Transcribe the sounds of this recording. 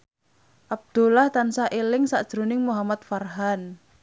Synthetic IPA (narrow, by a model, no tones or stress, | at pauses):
ʔab̚d̪̥ulaht̪ansaʔelɪŋsa̰ʔd̥ʒ̥ɾonɪŋmuɦamat̪̚farɦan